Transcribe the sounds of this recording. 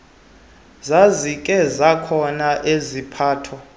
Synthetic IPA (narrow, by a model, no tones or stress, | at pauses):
zazikʼɛzakʰɔnaʔezipʰaːtʰɔ